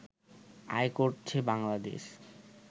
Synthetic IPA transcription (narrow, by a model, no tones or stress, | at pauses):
a̰jkoɾt͡ɕʰebaŋlad̪ḛʃ